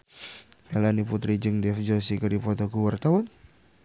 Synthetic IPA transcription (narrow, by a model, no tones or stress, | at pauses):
melaniput̪ɾid͡ʒəŋdɛfd͡ʒɔsikəɾdipɔt̪ɔkuwart̪awan